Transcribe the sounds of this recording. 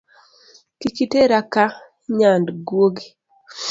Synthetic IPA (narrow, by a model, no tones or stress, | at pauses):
kikiteɾaka | ɲandɡwoɡi